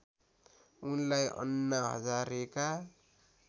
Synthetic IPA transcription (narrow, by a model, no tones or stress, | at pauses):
unlajʌ̰nːaɦʌ̰d͡zaɾeka